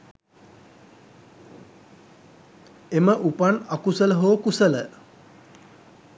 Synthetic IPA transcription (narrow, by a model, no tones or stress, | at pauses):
eməʔupanakusələɦoːkusələ